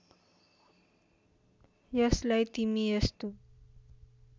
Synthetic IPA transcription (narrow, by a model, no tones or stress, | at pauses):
jəslajt̪imiəst̪u